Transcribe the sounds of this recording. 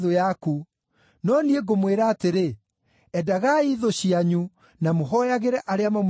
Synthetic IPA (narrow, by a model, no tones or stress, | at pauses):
ðojaku | nɔnieɡomweɾaːteɾe | ɛdaɣaiðoɕiaɲu | namoɦɔjaɣeɾɛʔaɾeamam